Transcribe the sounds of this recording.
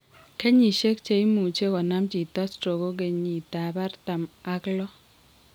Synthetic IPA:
kɛ˦ɲi˨ʃe˦k̚t͡ʃe˨i˦mu˨t͡ʃe˦kɔ˨na˦mt͡ʃi˨ta˦stɾo˨ɡo˦k̬e˨ɲi˨ta˨ba˦rta˨ma˦klɔ˦

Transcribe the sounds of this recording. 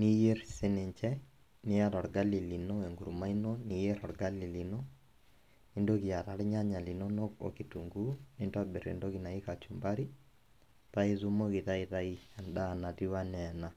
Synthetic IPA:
ni˦je˦ɾsɪ˦nɪ˨ɲt͡ʃɛ˦ | ni˦ja˦ɾɔ˨ɾɡa˦li˨li˨nɔ˦e˨ŋɡu˨ɾma˦inɔ˦ni˨je˦ɾɔ˨ɾɡa˦li˨li˨nɔ˦ | ni˦ndo˦ki˨ja˨ɾa˨ɾɲa˦ɲa˨li˨nɔ˦nɔ˦ko̰˨ki˨tu˨ŋɡu˦ni˦nda˦bɪ˨ɾḛ˨ndo˦ki˨na˨i˦ka˨t͡ʃu˨mba˦ɾi˦ | ta˦i˦zu˦mo˦ki˨ta˦i˦ta˦i˦ɛ˨nda˦˨na˨ti˦wa˦nɛ˨na˨

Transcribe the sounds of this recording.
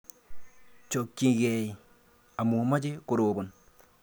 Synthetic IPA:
t͡ʃo˨kːi˨ɡe˨i˨ | a˨mu˨ma˦d͡ʒe˦kʊ˨ɾoː˨bo˨n

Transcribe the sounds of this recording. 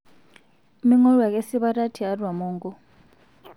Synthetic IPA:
mi˦ŋɔ˦ɺwa˨k̬ʼe˦si˦ɓa˦tʼa˦tʰi˨a˦dwa˨mɔː˦ŋɡɔ˦

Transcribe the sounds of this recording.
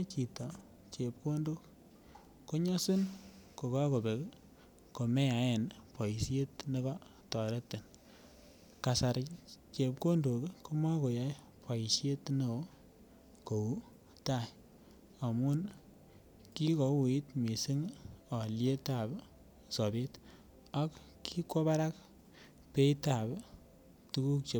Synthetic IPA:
t͡ʃi˨tɔ˨ | t͡ʃe˨p̚ko˦ndo˦kː | o˦ɲɔ˦si˦nko˨ka˦ko˨be˨k | ko˨me˦ja˨˦e˨npa˨i˨sje˦tne˦kɔ˦ | tɔ˨ɾe˦tːe˨n | ka˨sa˨ɾt͡ʃe˨p̚ko˦ndo˨kko˦ma˦ko˨ja˦j | pʰa˨i˨sje˦tne˨˦ | ko˨u˦ | ta˦˨j | a˨mu˦n | ki˦ko˨wu˨i˦tmi˨si˦ŋa˨lje˦ta˨b | sɔ˨be˦t | a˦k | ki˦ko˦ba˦ɾa˦k | pe˦ta˨b | tu˦ku˦k̚t͡ʃe˨

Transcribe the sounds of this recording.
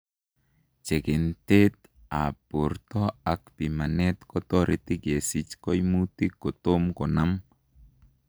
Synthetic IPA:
t͡ʃe˨ke˨nt̪e˦t̪ | a˨po˨ɾt̪ɔ˦a˨k̚pi˨ma˨nɛ˦t̪kɔ˦t̪ɔ˦ɾʔe˨t̪i˦ke˨si˨t͡ʃkɔ˦jmu˦t̪i˦kːo˨t̪o˦mkɔ˨na˦m

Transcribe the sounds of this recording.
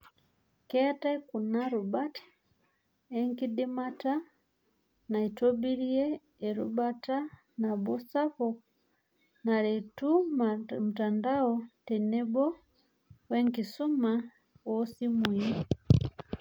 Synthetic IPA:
kɛa˦ta˦ku˨naɾuba˦tḁ | ɛŋki˦ɗi˦mata˦ | na˨i˨tɔbiɾi˦ɛ˦ | ɛ˨ɾṵbata˦ | na˨bɔ˦sa˦fɔ | na˨ɾɛtumm̩˨tandaɔtɛnɛ˦bɔ˦ | wɛ˦ŋki˨su˦ma | wɔsi˦mwui˦

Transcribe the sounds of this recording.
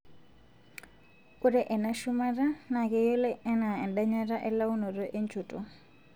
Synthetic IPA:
ku˦ɾɛ˦ʔɛ˨na˦ʃu˦ma˦ra˦na˨kɛ˦jɔ˦lɛ˦ɛ˦na˨ɛ˨nda˦ɲa˦ra˦ʔɛ˦la˦u˦nɔ˨rɔ˦ʔe˦nt͡ʃʰu˨tʼɔ˨

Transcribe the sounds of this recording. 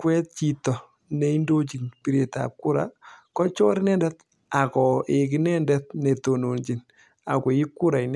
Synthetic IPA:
kwɛ˦t̚t͡ʃi˨tɔ˨ | ne˦i˦ndo˦t͡ʃi˨npi˨ɾe˨ta̰˨p̚ku˦ɾa̰˨kɔ˦t͡ʃɔ˦ɾɪ˦nɛ˦ndɛ˦t | a˨kɔ˨e˨k̬ɪ˦nɛ˦ndɛt̚ne˨to˨no˨nt͡ʃi˨n | a̰˨ke˨ɪ˦kːu˦ɾa˨i˨n

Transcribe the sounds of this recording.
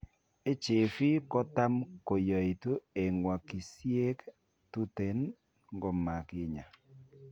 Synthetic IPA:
e˦t͡ʃe˨fi˦kɔ˦t̪a˦mko˨jɔ˨i˨t̪o˦e˨ŋwa˨ki˨sje˦k | tu˦te˨n | ŋɡɔ˨ma˨kɪ˦ɲa˨

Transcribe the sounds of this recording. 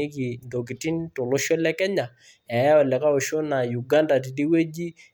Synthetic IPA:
e˦ki˨ndo˨ki˨ti˦n˦to˨lo˦ʃɔ˦lɛ˦kɛ˦ɲa˨ | ɛ˨ɛ˦ɔ˨lɛ˨ka˦o˨ʃo˦na˨ju˨ɡa˦nda˨t̬i˨di˦we˦d͡ʒi˦

